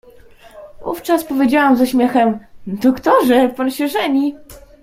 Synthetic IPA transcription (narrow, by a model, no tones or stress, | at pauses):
vṵft͡ʂaspɔvʲjed͡ʑawamzaɕmʲjɛxɛmd̪ɔkt̪ɔʐɛpanɕɛʐɛɲi